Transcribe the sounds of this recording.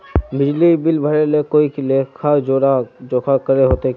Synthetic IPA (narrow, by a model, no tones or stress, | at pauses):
bɪd͡ʒlibɪlbʱəɾelekoːiklekʰad͡ʒoɾad͡ʒokʰakəɾeɦoːt̪e